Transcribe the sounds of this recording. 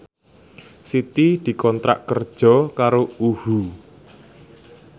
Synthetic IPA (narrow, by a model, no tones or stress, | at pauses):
sit̪id̪̥i̤kɔnt̪ɾa̰ʔkərd̥ʒ̥ɔ̤kaɾouhu